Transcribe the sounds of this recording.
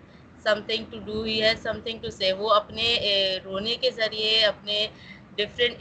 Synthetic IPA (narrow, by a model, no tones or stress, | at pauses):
sɐ̃mt̪ʰɪ̃ŋɡ̚ʈuɖuːiɦɛsɐ̃mt̪ʰɪ̃ŋɡʈuseːʋoɐpneɾoːnekezɐɾieɐpne | ɖɪfɾə̃ɳʈ